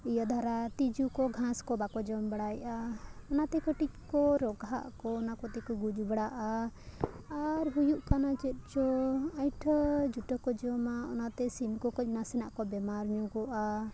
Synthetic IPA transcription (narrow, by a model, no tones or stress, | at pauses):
ijad̪ʱaɾat̪id͡ʒukɔɡʱãskɔbakɔd͡ʒɔmbɛɽajʔaɔnat̪ɛkɔʈic̪̚kɔɾɔɡʱa̰ʔkɔːnakɔt̪ɛkɔɡud͡ʒbɛɽaʔa | aɾɦujuʔkanat͡ʃɛt̪̚ˀt͡ʃɔajʈʰd͡ʒuʈɔkɔd͡ʒɔmaɔ̰nat̪ɛsimkɔkɔc̚ˀnasɛnaʔkɔbɛmaɾɲɔɡɔʔa